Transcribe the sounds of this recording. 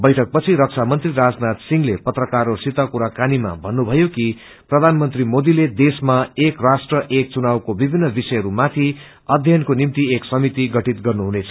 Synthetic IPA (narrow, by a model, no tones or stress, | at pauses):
bʌjʈʰʌk̚pʌt͡sʰiɾʌk̚t͡sʰamʌnt̪riɾad͡znat̪siŋlepʌt̪rʌkaɾosit̪akuɾakanima̰bʱʌnːubʱʌjoki | prʌd̪ʱanmʌnt̪rimod̪iled̪esmaekrasʈrʌʔek̚t͡sunawkobibʱinːʌbisʌjʌɾumat̪ʰi | ʌd̪ʱjʌnkonimt̪ieksʌmit̪iɡʌʈit̪ɡʌrnuɦunet͡sʰʌ